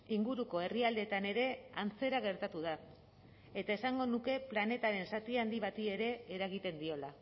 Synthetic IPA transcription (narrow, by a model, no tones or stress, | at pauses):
iŋɡuɾuko̞e̞riald̪e̞t̪ane̞ɾe̞ant͡se̞ɾaɣ̞e̞ɾt̪at̪uð̞a | e̞t̪ae̞saŋɡo̞nuke̞plane̞t̪aɾe̞nsat̪iand̪iβ̞at̪ie̞ɾe̞ːɾaɣit̪e̞nd̪io̞la